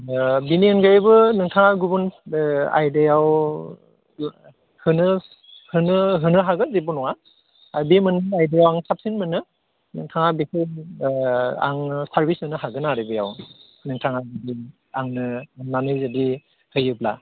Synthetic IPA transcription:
biniɯnɡajibɯnɯŋtʰaŋaɡubuna̰jdejaw | hɯnɯ | hɯnɯɦɯnɯɦaɡɯzibunɔwa | abimɯnɯajdejawaŋsap̚sinmɯnɯ | nɯŋtʰaŋabisej | a̰ŋsaɹbisɯnɯɦaɡɯnaɾibɯjaw | nɯŋtʰaŋazadi | aŋnɯnanɯzadi | hɯjɯbla̰

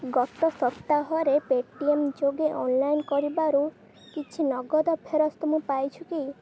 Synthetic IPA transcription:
ɡɔt̪ɔsɔt̪ːaɦɔɾepeʈiemd͡ʒoɡeʔɔnlajnkɔɾibaɾu | kit͡ʃʰinɔɡɔd̪ɔpʰeɾɔst̪ɔmũpajt͡ʃʰuki

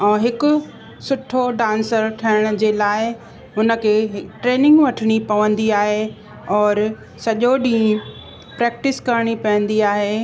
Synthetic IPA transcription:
ɛ̃ːɦɪkʊ̆ | sʊʈʰoɖãːnsəɾʈʰɐɪɽ̃ʊ̆d͡ʑeːlaːɪ | ɦʊnə̆kʰeːɦʈɾeːnɪ̃ŋɡʋɐʈʰɪɽ̃ipɐʋə̃nd̪iaːɦe | ɔːɾ | sɐʄoɗĩː | pɾɛːk̚ʈɪskɐɾɽ̃ipɐʋə̃nd̪iaːɦeː

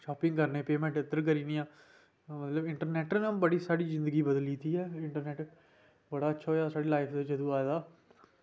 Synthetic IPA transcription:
ʃɔːpɪ̃ŋɡkəɾneːpeːmɛ̃ːɳʈɪt̪ːəɾk̬əɾiːnĩːãː | mət̪ləbɪɳʈəɾnɛːʈnãːmbəɽiːsaːɽiːzɪ̃nd̪əɡiːbəd̪əliːt̪iːɦɛːɪɳʈəɾnɛːʈ | bəɽaːətːʃʰaːɦoːjaːsaːɽeːlaːɪpʰd̪et͡ʃəd̪ũːaːd̪aː

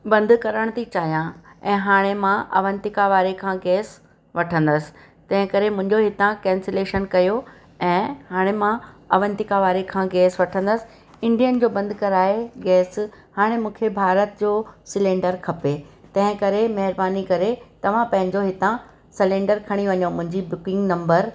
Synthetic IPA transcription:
bɐ̃nd̪kɐɾəɽ̃t̪ʰit͡ɕaːjãɛ̃ːɦaːɽ̃emãʔɐ̰ʋə̃nt̪ɪkaʋaːɾekʰãɡɛːs | ʋɐʈʰə̃nd̪əsɪ̥̆ | t̪ɐ̃ɦɪ̃kɐɾemʊ̃ɪ̃ɲd͡ʑoɦɪt̪ãkɛ̃ːnseleːʃənkɐjo | ɛ̃ːhaːɽ̃emãɐʋə̃nt̪ɪkaʋaːɾekʰãɡɛːsʋɐʈʰə̃nd̪əsɪ̥̆ | ɪ̃ɳɖijənd͡ʑoːbɐ̃nd̪kɐɾaːeɡɛːshaːɽ̃emũːkʰebʱaːɾət̪̚d͡ʑoːsɪlẽːɳɖəɾkʰɐpet̪ɐ̃ɦɪ̃kɐɾemɐɦɪɾbaːnikɐɾet̪ɐʋ̤ãpɐ̃ɦɪ̃ɲd͡ʑoɦɪt̪ã | sɪlẽːɳɖəɾkʰɐɽ̃iʋɐɲomʊ̃ɦɪ̃ɲd͡ʑibʊkɪ̃ŋɡnɐ̃mbəɾ

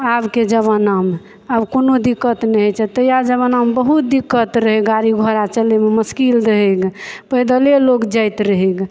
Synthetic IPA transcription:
abked͡ʒəβənam | əbkonod̪ikːət̪nɛɦɛt͡ʃʰɛt̪əjad͡ʒəβənambəɦut̪̚d̪ikːət̪ɾəɦɛɡaɾiɡʱɔɾat͡ʃəlememəskild̪əɦəɡpəd̪əlelokd͡ʒəjt̪ɾəɦiɡ

